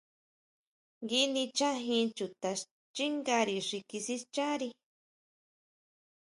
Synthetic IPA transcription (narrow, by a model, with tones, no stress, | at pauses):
ŋɡi˧nĩ˧t͡ʃã˦˧ɦĩ˧t͡ʃu˨t̪a˧ | t͡ʃi˦ŋɡa˧ɾi˧ʂi˧ki˧si˦t͡ʃa˦ɾi˧